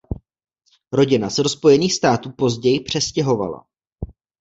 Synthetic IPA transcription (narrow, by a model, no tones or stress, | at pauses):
ɾo̞ɟɪnasɛɾo̞spo̞jɛniːxst̪aːt̪uːpo̞zɟɛjɪpr̝̥ɛscɛɦo̞va̰la̰